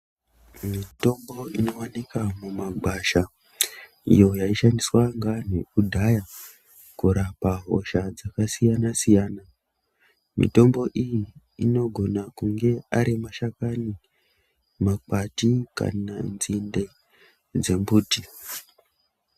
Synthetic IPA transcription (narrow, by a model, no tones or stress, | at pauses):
mito̞mbo̞ino̞wanikamumaɡʱwaʃa | ḭjo̞jaiʃandiswaŋɡanekudʱaja | kuɾapaɦo̞̰ʃad͡zakasijanasijaːna | mḭto̞mbo̞ʔijiː | no̞ɡʱo̞nakuŋɡe̞aɾimaʃakani | mak͡patika̰nanzinde̞ | d͡ze̞mbuːti